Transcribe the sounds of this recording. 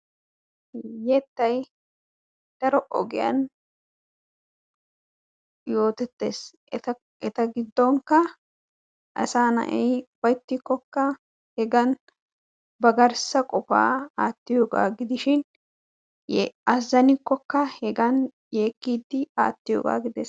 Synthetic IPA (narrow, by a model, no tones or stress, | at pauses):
ɛt̪ːɐj | d̪̥ɐɾɔʔɔ̰ɡɪjɐ̰n | jo̞ːt̪ɛt̪ːḛːs | ɐ | ɛt̪ɐɡɪd̪ːoŋkɐ | ʔɐ̰saːnɐ̰ʔɛjwɔjt̪ːɪkːɔkːɐ | hɛɡɐn | bɐɡɐɾsɐkʼɔfa̰ːaːt̪ːɪjoːɡa̰ːɡɪd̪ɪʃɪn | ɐzːɐnɪkːɔkːɐhɛɡɐn | jeːkːiːd̪ːɪa̰ːt̪ːɪjo̰ːɡa̰ːɡɪd̪eːs